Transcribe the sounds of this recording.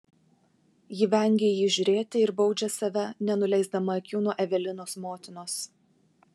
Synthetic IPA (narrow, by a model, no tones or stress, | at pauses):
jɪːʋʲɛŋʲɡʲeːjiːʒʲʊɾʲeːt̪ʲɪɪɾbɒʊd͡ʒʲɛsɐʋʲɛnʲɛnʊlʲɛɪzd̪ɐmɐːkʲuːnuʔɛʋʲɛlʲɪnoːsmoːt̪ʲɪnoːs